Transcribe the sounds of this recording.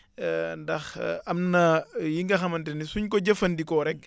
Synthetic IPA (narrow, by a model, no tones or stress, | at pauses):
ndɐxɐmnɐjiŋɡɐxɐmɐntɛnisuɲkɔɟɐfɐndikɔɾɛk̚